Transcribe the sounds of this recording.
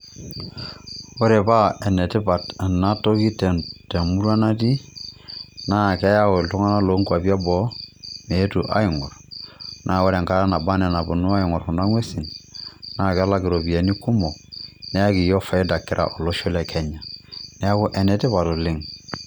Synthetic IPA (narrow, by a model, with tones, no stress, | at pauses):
wo˦ɾɛ˨pa˦ɛ˨nɛ˨tɪ˦pa˨ta˨na˦to˦ki˦tɛ˨te˨mu˦ɾa˦na˦ti˦ | na˦˨kɛ˦ja˦o˨ltu˦ŋa˦na˦lo˦ŋku˦a˨pi˦a˦bɔ˦me˨˦tu˨ʔa̰˦ɪ˨ŋɔ˨ɾnʔa˦˨wo˦ɾe˨ŋka˦ɾa˦na˨ba˦nɛ˨na˨bu˨nu˦a˦ɪ˨ŋɔ˨ɾhu˨na˦ŋwe˦si˨nna˦˨ka˦la˦˨kɪ˨ɾo˨pi˨e˨ni˦ku˦mɔ˨nɛ˦a˦ki˨jɔ˦fa˨i˦da˨kɪ˨ɾʔa̰˨ʔo˨lo˦ʃo˦lɛ˨kʰɛ˦ɲa˨nɛ˦a˦kʊ˦ʔɛ˨nɛ˨tɪ˦βa˨to˨lɪ˦ŋ